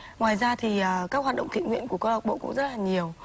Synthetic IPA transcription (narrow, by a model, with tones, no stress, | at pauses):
ŋwaː˨˩jzaː˧t̪ʰi˨˩əː˨˩kaː˦˥k̚hwaː˨˩t̚ɗə̰˧˨ŋ͡mt̪ḭ˧˨nŋwḭ˧˨ənku˧˩əkə˧˩hə˨˩t̚ɓo̰˧˨kʊ̰˧˥ŋ͡mzə˦˥t̚laː˨˩ɲi˨˩əw